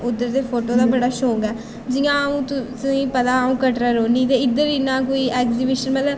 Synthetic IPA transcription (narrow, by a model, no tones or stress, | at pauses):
ʊd̪ːəɾd̪eːpʰoːʈoːd̪aːbəɽaːʃoːɡɛː | d͡ʒɪjãũːt̪ʊsĩːpɐd̪aːũːkəʈɾaːɾoːnĩːd̪eɪd̪əɾɪnãːk̬oːiːʔɛːkzibɪʃənmɛlə